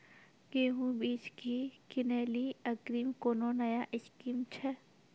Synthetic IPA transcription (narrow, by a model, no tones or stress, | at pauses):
ɡeːɦũbiːt͡ʃkikɪneːliɐkɾiːmkononɐjaʔɪʃkimt͡ʃʰɛ